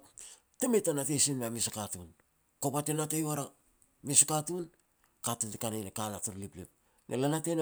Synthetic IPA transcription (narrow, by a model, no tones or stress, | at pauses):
temetanatesinmeamisakatun | kopatenatejwaɾa | misakatun | katuntekanejnekalatuɾliplḭp̚ | nḛlanaten